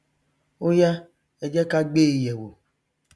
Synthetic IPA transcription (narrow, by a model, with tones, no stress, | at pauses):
o˦ja˦ | e˨d͡ʒɛ˦ka˦ɡ͡beː˦˨je˨wo˨